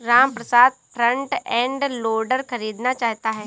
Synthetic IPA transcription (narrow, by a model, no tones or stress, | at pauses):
ɾaːmpɾəsaːd̪̚pʰɾə̃ɳʈɛ̃ːɳɖloːɾɖəɾkɐɾiːd̪nat͡ʃaːɦt̪aɦɛː